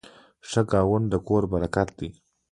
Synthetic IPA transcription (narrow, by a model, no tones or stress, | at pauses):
ʂəɡɑːwʊnd̪əkoɾbaɾakat̪d̪i